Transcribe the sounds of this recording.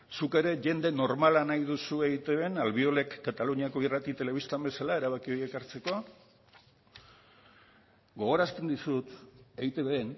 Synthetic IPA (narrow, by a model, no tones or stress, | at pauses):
suke̞ɾe̞ʝe̞nd̪e̞no̞ɾmalanajðusue̞ɣit̪e̞βe̞nalβio̞le̞kːat̪aluɲiako̞irat̪it̪e̞le̞β̞ist̪ambe̞salae̞ɾaβ̞akio̞jekaɾt͡se̞ko̞ | ɡo̞ɣ̞o̞ɾast̪e̞nd̪isut̪eɣit̪e̞βeen